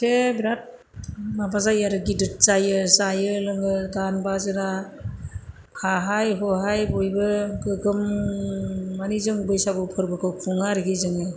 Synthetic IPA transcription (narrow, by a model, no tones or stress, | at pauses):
tʰebɾat̚ | mabazajaɾɯɡidɯt̚t͡ʃajɯsajɯlɯŋɯdanbazɯna | hʰaɦajɦɔɦajbɔjbɯɡɯɡɯmː | anizɯŋbɯjsabɯpʰɯɾbɯkʰɯwkʰuŋaɾiɡizɯŋɯ